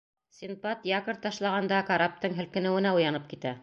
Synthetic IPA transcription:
sʲinpɑt̪jɑkɤ̆ɾt̪ːɑʃlˠɑʁɑnd̪ɑkaɾap̚t̪ɤŋɦɘ̆lkɘ̆nɘ̆wɘ̆næujɑnɤp̚kit̪æ

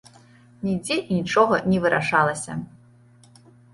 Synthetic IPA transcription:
nʲid͡zʲɛʔinʲit͡ʂɔɣɐnʲɛvɨɾʔa̰ʂalˠɐsʲɐ̰

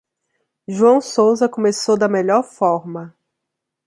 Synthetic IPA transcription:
ʒuɐ̃w̃sowzɐkõmesowd̪ɐmeʎɔɾfɔɾmɐ

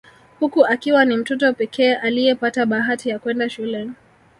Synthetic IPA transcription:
hukuʔakiwanim̩tɔtɔpɛkʰɛːʔalijɛpataɓaɦatijakwɛndaʃulɛ

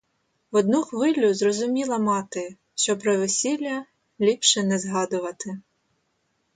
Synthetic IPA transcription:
ʋɔd̪nuxʋɪlʲʊzrɔzʊmʲilˠɐmɑt̪ɪ | ʃt͡ʃɔpɾɔʋɪsʲilʲːɐ | lʲipʃɛnɛzɦɑd̪ʊʋɐt̪ɪ

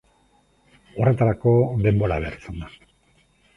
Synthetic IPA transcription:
o̞re̞t̪aɾako̞d̪e̞mbo̞ɾa̰βeɾt͡send̪a

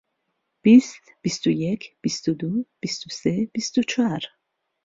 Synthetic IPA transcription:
b̥ist̪b̥ist̪ojekʰb̥ist̪od̪ob̥ist̪oseb̥ist̪ot͡ʃʰaɾ

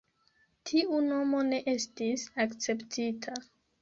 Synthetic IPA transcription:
tʰiʔuno̞mo̞ne̞ʔe̞stisakt͡se̞ptʰitʰa

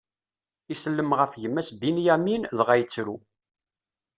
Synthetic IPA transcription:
isəlːəmʁəfʝəmːæsbinjæminðʁæjət͡sːɾu

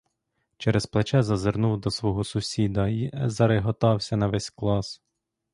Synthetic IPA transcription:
t͡ʃɛɾɛsplˠet͡ʃɛzɐzernuwd̪ɔsʋɔɦɔsʊsʲid̪ɐizɐɾeɦɔt̪ɑwsʲɐnɐʋɛsʲklˠɑs

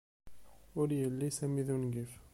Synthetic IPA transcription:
ʊɾjəlːisæmiðunɡif

